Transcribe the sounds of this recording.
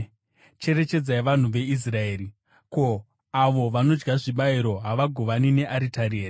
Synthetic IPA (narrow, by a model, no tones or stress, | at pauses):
t͡ʃe̞ɾe̞t͡ʃe̞d͡zaiʋan̤uʋe̞is̬rae̞ːri | ko̞ | aʋo̞ʋano̞d͡ʒɡaʐiɓaiɾo̞ɦaʋaɡʱo̞ʋanine̞ʔaɾitaɾiːra